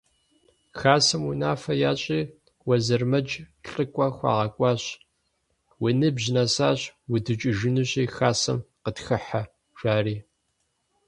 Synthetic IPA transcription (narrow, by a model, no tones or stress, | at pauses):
xaːsɐmunaːfɐjaːɕʼiː | wɐzɐrmɐd͡ʒɬʼɨkʷʼɐxʷɑ̰ːʁɐkʷʼɑːɕ | winɨbʑnɐsaːɕwʊdɨt͡ʃʼɪʒɨnɨɕʼiːxaːsɐ̰mqətxɨħa | ʒ̥ʷaːriː